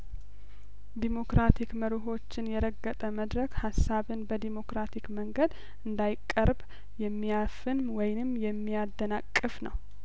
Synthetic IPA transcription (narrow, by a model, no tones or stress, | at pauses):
d̪imo̞kɾat̪ʰikməɾɪɦo̞t͡ʃːɪnjɛɾəɡːət̪ʼəməd̪ɾəkhasːaβɨnbəd̪imo̞kɾat̪ʰikməŋɡəd̪ | ɨnd̪ajɪkʼːəɾb | jɛmːijafɨnwɔjnɨmːjɛmːijad̪ːənakʼːɨfnəw